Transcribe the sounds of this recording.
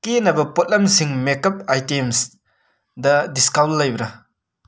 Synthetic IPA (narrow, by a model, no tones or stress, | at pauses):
kenɐbɐpot̚lɐmsiŋmekɐp̚ajtems | dɐdiskawlːɐjbɾɐ